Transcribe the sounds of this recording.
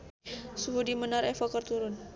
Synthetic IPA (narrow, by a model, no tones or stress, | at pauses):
suɦudimənaɾɛfɔkərt̪uɾʊn